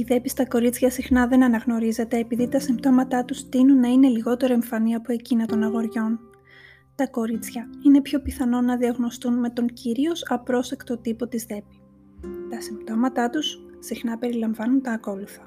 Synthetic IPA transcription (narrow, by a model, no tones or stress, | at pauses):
iðe̞pist̪ɐko̞ɾit͡sçɐsixnɐðe̞nɐnɐɣno̞ɾize̞t̪e̞ːpiðit̪ɐsimt̪o̞mɐt̪ɐt̪ust̪inunːɐine̞liɣo̞t̪e̞ɾoe̞ɱfɐniɐpoe̞cinɐt̪o̞nɐɣo̞ɾʝo̞n | t̪ɐko̞ɾit͡sçɐine̞pço̞piθɐno̞nɐðiɐɣno̞st̪unme̞t̪o̞ŋciɾio̞sɐpɾo̞sekt̪o̞t̪ipo̞t̪izðe̞pi̥ | t̪ɐsimt̪o̞mɐt̪ɐt̪ussixnɐpe̞ɾilɐɱvɐnunt̪ɐːko̞luθɐ